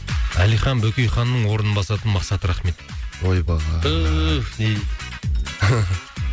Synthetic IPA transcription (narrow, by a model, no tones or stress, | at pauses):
ælijχɑnbɵkʲejχɑnːəɴwo̞ɾənəbɑsɑt̪ənmɑqsɑt̪əɾɑχme̞t̪̚ojbɑʁɑə